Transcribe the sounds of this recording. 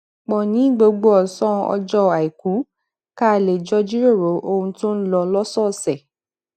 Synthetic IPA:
k͡pɔ˨nĩ˨˦ɡ͡bo˧ɡ͡bo˦ɔ˨sɔ̃˦ɔ̰˧d͡ʒɔ˦a˨i˨ku˨˦ | ka˦˧˨le˨d͡ʒɔ˦d͡ʒi˦ɾo˦˨ɾo˨˦ʔo˧hũ˧to˦n̩˦lɔ˧lɔ˦sɔ˦˨sɛ˨

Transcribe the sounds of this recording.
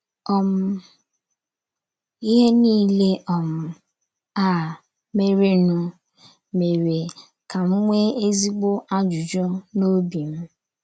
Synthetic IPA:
ɔ˦m̩˦ | i˦ɦe˦niː˦le˦ʔɔ˨m̩˨ | a˦˨ | me˦ɾe˦nu˦ | me˨ɾe˨ | ka˨ŋ͡m̩˦ŋʷe˦e˦zi˦ɡ͡bo˦ʔa˦d͡ʒu˨d͡ʒo˦no˦bi˨m̩˦

